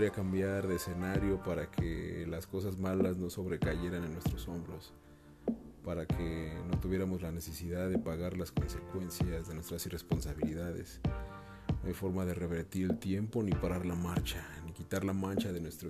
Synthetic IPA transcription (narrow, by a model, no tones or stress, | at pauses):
ɾiakambjaɾðese̞naɾjo̞paɾakʰḛlasko̞s̬azmalazno̞so̞βɾe̞kaʝe̞ɾanenːwest̪ɾo̞so̞mbɾo̞s | paɾakʰeno̞t̪uβje̞ɾamo̞zlane̞se̞siðaððe̞paɣaɾlasko̞nse̞kwe̞nsjazðenwe̞st̪ɾasirespo̞nsaβiliðaðḛs | noajfo̞ɾmaðe̞re̞βe̞ɾt̪iɾe̞lt̪je̞mpo̞nipaɾaɾlamaɾt͡ʃanikit̪aɾlamãnt͡ʃaðe̞nwest̪ɾo